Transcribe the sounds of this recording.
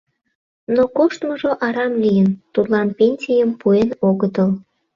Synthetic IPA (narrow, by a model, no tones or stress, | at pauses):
nokoʃt̪məʒoʔɑɾɑmlijənt̪ud̪lɑnpenʲsʲijəmpuenoɣət̪əl